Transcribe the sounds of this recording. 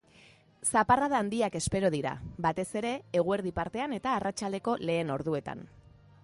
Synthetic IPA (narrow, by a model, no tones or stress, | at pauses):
saparaðaːnd̪iake̞spe̞ɾo̞ð̞iɾa̰bat̪e̞se̞ɾe̞ːɣ̞ue̞ɾðipaɾt̪e̞ane̞t̪aːrat͡ʃald̪e̞ko̞le̞ːno̞ɾðue̞t̪a̰n